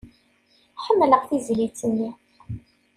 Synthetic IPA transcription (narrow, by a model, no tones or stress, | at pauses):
ħəmːləqθizlit͡sːənːi